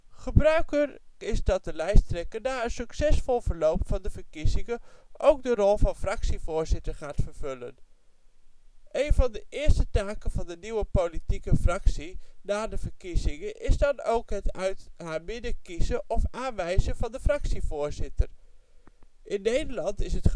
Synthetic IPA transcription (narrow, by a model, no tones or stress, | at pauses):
χəbrœɥkərɪzdɑt̚dəlɛjstrɛkənːaːənsyksɛsfɔlˠvəɹlowpfɑndəvəkizɪŋəʔowk̚dərɔlˠvɑnfrɑksivʊːɹzɪtəɹχaːtfəɹv̥ølən | ʔejnvɑndəʔɪːɹstətaːkəvɑndəniwəpolitikəfrɑksinaːdəvəkizɪŋəʔɪzdɑnowkɦətœɥtɦaːmɪdəkizəʔɔfaːnʋɛjzəvɑndəfrɑksivʊːɹzɪtər | ʔɪnːejdəlɑntɪsət